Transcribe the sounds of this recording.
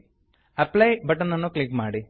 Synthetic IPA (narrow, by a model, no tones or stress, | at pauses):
ɐpːlɐjbɐʈːɐnːɐnːoklikːmaːɽi